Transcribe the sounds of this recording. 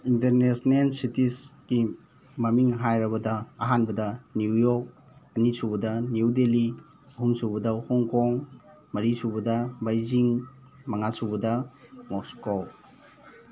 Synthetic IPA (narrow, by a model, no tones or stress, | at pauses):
inteɾnesnelsitisɡ̥i | mɐmiŋɦajɾɐbɐdɐːɦanbɐdɐnijɔk̚ | ɐnisubɐdɐniwdeli | ɐɦumsubɐdɐhɔŋkɔŋ | mɐɾisubɐdɐbajziŋmɐŋasubɐdɐmɔsko